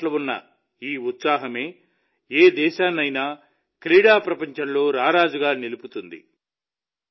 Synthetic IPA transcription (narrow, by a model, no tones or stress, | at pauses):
lɐʋunːɐ̰ | iːut̪saːɦɐme̞ː | eːd̪ɛːʃaːnɐjnaː | kɾiːɽaːpɾɐpɐɲt͡ʃɐmlo̞ːɾaːɾaːd͡ʒuɡaːniluput̪und̪ḭ